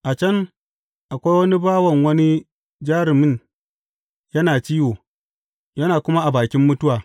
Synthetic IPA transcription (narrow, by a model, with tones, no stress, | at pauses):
ʔa˨t͡ʃɐ˦n | ʔa˨kʷa˦jwɐ˦ni˦baː˦wɐ˨ŋwɐ˦ni˦ | d͡ʒaː˦ɾɪ˨mɪ˦n | jɐ˦naː˨t͡ʃiː˦woː˨ | jɐ˦naː˨kʷʊ˦ma˦ʔa˨baː˨kʲɪ˦mːʊ˦tʊ˦waː˨